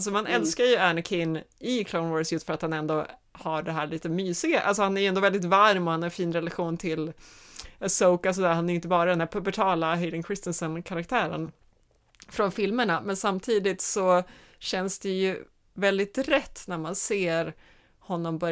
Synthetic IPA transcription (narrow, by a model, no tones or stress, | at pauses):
ls̬ɔmanɛlskajɵæɳəkʰɪnːɪkʰlaʊnvɔɾsjɵst̪fœɾat̪hanɛnd̪oː | haɖɛɦæːɭiːt̪əmyːsɪɡaʔa̰lsɔhanæɾjɵɛnd̪oːvɛld̪ɪt̪vaɾmɔhanaɾɛfiːnɾɛlaɧuːnt̪ʰɪl | soʊkalsɔd̪æːhanæɾjʏnt̪̬əbɑːɾad̪ɛnd̪æːɾpʰɵbəʈʰɑːlaɦɛɪd̪ɪŋkʰɾɪst̪ɛnsɔnkʰaɾakt̪ʰæːɾə̰n | fɾɔnfɪlməɳamɛnsamt̪ʰiːd̪ɪt̪sɔ | ɕɛnsd̪ɛjɵ | vɛld̪ɪt̪ɾɛt̪ːnæɾmanseːɾ | hɔnːɔmbœɾ